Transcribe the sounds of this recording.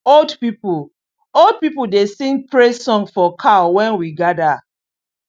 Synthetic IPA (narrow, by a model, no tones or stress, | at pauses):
oldpipul | old̚pipuldesĩŋpɹesɔ̃ŋfɔkʰawɛ̃nwiɡada